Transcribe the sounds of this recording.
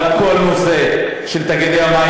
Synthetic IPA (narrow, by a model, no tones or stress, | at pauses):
kʰolmoze | ʃelt̪aɡed̪eama